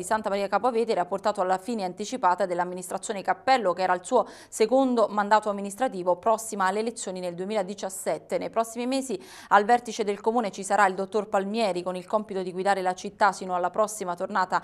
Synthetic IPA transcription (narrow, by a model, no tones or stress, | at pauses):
isant̪amaɾiːakapoaveːt̪ɛɾeapːort̪aːt̪oalːafiːneant̪it͡ʃipaːt̪ad̪elːamːinist̪ɾat̪sːjoːnekapːɛlːokeɛːɾailsuːo | sekond̪omand̪aːt̪oamːinist̪ɾat̪iːvopɾɔsːimaːlːeːlet̪sːjoːnineld̪uemiːlaed̪it͡ʃasːɛt̪ːenejpɾɔsːimimeːzi | alvɛrt̪it͡ʃed̪elkomuːnet͡ʃisaɾʔaild̪ot̪ːorpalmjɛːɾikonilkɔmpit̪od̪iɡwid̪aːɾelat͡ʃit̪ːasiːnoalːapɾɔsːimat̪ornaːt̪a